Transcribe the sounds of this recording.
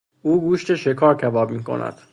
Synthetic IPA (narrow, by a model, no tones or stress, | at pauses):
ʔuːɡuːʃt̪ʰeʃekʰɒːɾcʰæbɒːbmiːkʰo̞̰nʔæ̰d̪̥